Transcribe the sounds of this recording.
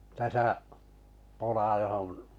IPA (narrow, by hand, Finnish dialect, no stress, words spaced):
tæsæʔ polɑ johon